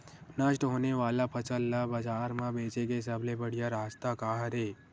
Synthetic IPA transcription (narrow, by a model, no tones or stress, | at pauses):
nəʃʈɦoːneʋaːlapʰɐt͡ʃəlːabɐd͡ʒaːɾmãbeːt͡ʃekesəblebɐɽ̤ijaɾaːst̪akaːɦəɾeː